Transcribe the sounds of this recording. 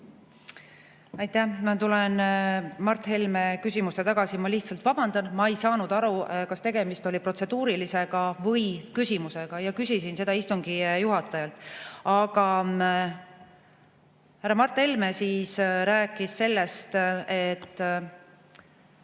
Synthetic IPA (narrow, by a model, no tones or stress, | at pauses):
ɑjt̪æhmɑt̪ulenmɑrt̪ːˑhe̞lmekysʲimust̪e̞t̪ɑɡ̥ɑsimɑliht̪sɑlt̪vɑb̥ɑnd̪̥ɑnmɑejsɑːnud̪̥ɑɾukɑst̪e̞ɡe̞mist̪o̞lʲipro̞t̪se̞d̪uːɾilise̞ɡ̥ɑvɤjkysʲimuse̞ɡ̥ɑjɑkysʲisinse̞d̪̥ɑist̪uŋɡ̥ijuɦɑt̪ːˑɑjɑlt̪ːˑɑɡɑ | hærːɑmɑrt̪ːˑelmesiːsɾæːkːˑisːe̞lːe̞st̪e̞t̪ː